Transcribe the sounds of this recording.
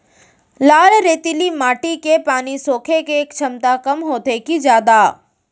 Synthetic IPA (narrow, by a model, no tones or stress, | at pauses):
laːlɾeːt̪ilimaːʈikepaːnisoːkʰekeːkt͡ʃʰɐmt̪akɐmɦoːt̪ekid͡ʒjaːd̪a